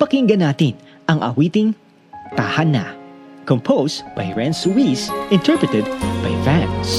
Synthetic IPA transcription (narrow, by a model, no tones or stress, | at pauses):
pɐkɪŋɡɐnaːt̪ɪn | ʔɐŋʔɐ̰wiːt̪ɪŋ | t̪ahɐna̰kɔmpʰowsb̥ajɹɛnswisʔɪ̃nt̪ʰɛɹpɹɨt̪ɛd̪̚bajfans